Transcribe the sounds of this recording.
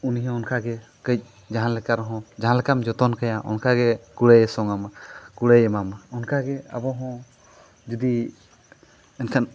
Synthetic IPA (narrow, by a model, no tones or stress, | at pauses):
uniɦɛ̃ɔnkʰaɡɛ | kəjc̚ˀ | d͡ʒaɦanlɛkaɾɔɦɔ̃d͡ʒaɦãnlɛkamd͡ʒɔt̪ɔnkajaʔɔ̰nkʰaɡɛkuɽejsɔŋamkuɽejɛmamɔnkʰaɡɛa̰bɔɦɔ̃ | d͡ʒɔd̪i | ɛnkʰan